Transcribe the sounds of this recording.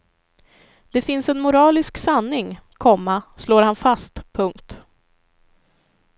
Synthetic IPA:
d̪̥ɛfɪnsɛnmʊɾɑːlɪsksanːɪŋkʰɔmːasloːɾhanfast̪pʰɵŋkt̪

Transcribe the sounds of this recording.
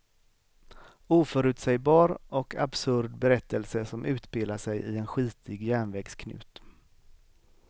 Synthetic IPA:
uːfœɾʉ̟ːt̪sɛjbɑːɾɔkʰa̰bsɵɾɖ̪bɛɾɛt̪ʰːəlsəsɔmʔʉ̟ːt̪peːlaʂɛjʔɪɛnɧiːt̪ʰɪɡjæːɳvɛːɡskʰnʉ̟̰ːt̪

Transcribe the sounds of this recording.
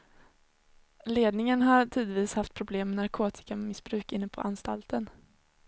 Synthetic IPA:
leːd̪nɪŋənɦaʈʰiːd̪viːshaft̪̚pʰɾʊbleːmːɛnaɾkʰoːt̪ʰɪ̥kammɪsbɾʉ̟ːkɪnːəpʰɔ̰ʔanst̪a̰lt̪ʰən

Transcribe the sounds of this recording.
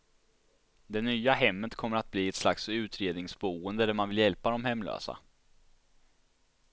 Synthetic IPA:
d̪ɛnyːaɦɛmːət̪kʰɔmːəɾat̪̚bliːɛt̪slaksʉ̟ːt̪ɾeːd̪nɪŋsbuːənd̪əd̪æɾmanvɪljɛlpad̪ɔmhɛmːlø̰ːsa̰

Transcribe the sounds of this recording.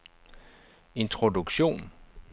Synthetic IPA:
e̝nt͡sʰʁodukɕo̝̰ːn

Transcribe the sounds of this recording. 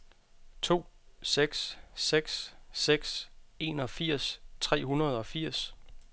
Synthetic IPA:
t͡sʰo̝̰ːseɡ̥sseɡ̥sːeɡ̥se̝ːnɒ̽fiɐ̰st͡sʰʁɛ̰ːɦunɐð̞̩ˠɒ̽fiɐ̰s

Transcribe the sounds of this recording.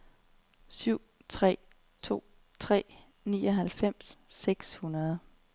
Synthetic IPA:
syʊ̰ | t͡sʰʁɛ̰ː | t͡sʰo̝̰ː | t͡sʰʁɛ̰ː | nḭːɒɦælfem̰sːeɡ̥shunɐð̞ˠ

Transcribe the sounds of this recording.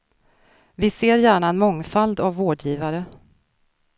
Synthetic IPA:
vɪseːɾjæːɳaɛnmɔŋːfald̪avːoːɖjiːvaɾə

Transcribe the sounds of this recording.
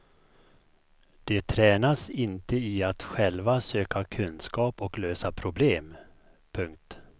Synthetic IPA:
d̪̥ɛt̪ʰɾɛːnasɪnt̪əɪat̪ɧɛlvasøːkʰakʰɵnskɑːpɔkløːsapʰɾʊbleːm | pʰɵŋk̚t̪

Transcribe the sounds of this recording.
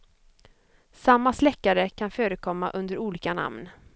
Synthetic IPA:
samːaslɛkːaɾəkʰanføːɾəkʰɔmːaʔɵnd̪əɾuːliːkana̰mn

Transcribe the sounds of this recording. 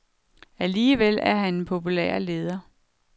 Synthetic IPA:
æliːʋelæɐɦænenpʰo̝pʰulḛːɐ̰le̝ːð̞ˠɐ

